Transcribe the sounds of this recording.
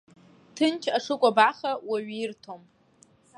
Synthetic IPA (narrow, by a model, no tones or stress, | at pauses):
tʰɨnt͡ʃʰʼaʂʰɨkʷʼabaχawaɥɪrtʰom